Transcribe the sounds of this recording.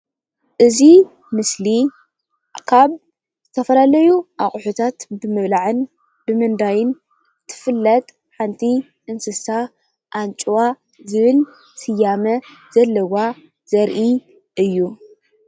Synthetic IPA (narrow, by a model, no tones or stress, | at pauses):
ʔɨzi | mɨsli | kʰaβ | zɨt̪ʰɐfɐlalɐjuʔa̰χʼħut̪ʰat̪bɨmɨβlaʕɨn | b̥ɨmɨnd̪ajɪn | t̪ʰɨ̥fɨlːɐt̪ʼ | ħant̪ʰi | ʔɨnsɨsa | ʔant͡ʃʼuwa | zɨβɨl | sɨjamɐz̥ɐlːɐwa | z̥ɐɾʔi | ɨjːu